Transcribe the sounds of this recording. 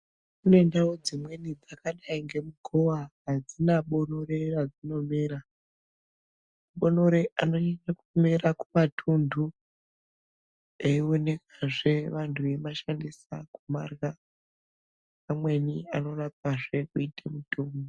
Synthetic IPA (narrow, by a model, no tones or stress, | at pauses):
unoe̞ndawod͡zimwe̞nid͡zakaɗaiŋɡe̞muɡʱo̞waɦad͡zinaɓo̞no̞re̞rad͡zino̞miɾa | muɓo̞no̞ɾe̞ʔano̞ɲaɲakumeɾakumatʰundʱu | eio̞ne̞kaʐe̞ʋantʰuemaʃandisa̰kuma̰ːrɣa | amwe̞niano̞rapaʐe̞kuitemutuːmi